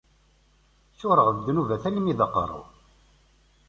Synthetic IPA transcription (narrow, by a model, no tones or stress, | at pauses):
θʊɾˤəʁvd̪nuvæθælmiðəqːə̰ɾˤʊ̰